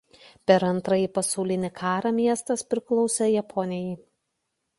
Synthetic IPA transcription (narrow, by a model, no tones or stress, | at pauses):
pʲɛɾɐnt̪ɾɐjiˑpɐsɐʊlʲɪnʲɪkʰɑːɾɑmʲiɛst̪ɐspʲɾʲɪklˠɒʊsʲɛjɛpʰɔnʲɪjɛ